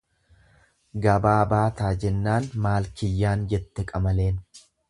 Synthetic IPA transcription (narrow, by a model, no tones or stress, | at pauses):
ɡɐbaːbaːt̪aːd͡ʒɛnːaːnmaːlkɪjːaːnd͡ʒɛt̪ːɛkʼɐmɐle̞ːn